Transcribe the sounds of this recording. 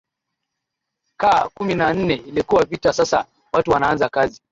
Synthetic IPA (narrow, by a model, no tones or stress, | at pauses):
kaːkuminan̩nɛilikuwavitasasa̰ | watuwanaanzakazi